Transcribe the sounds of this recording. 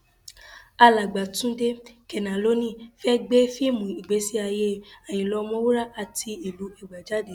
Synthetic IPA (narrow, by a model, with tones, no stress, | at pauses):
a˧la˨ɡ͡ba˨tũ˨˦de˦kɛ˨nã˨lo˦nĩ˦˨fɛ˦ɡ͡be˦fi˦mũ˨i˨ɡ͡be˨˦si˦a˧je˦a˨j̃ĩ˨lɔ˧mɔ̃˦wu˦ɾa˦˨ʔa˧˨ti˧i˨lu˨˦ɛ˦˨ɡ͡ba˨d͡ʒa˨˦de˨˦